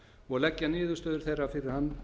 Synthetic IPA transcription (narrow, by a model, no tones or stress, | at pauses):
ɔɣlɛcːanɪːðʏst̪œːðʏɾ̥θejrːafɪɾɪɾ̥hanː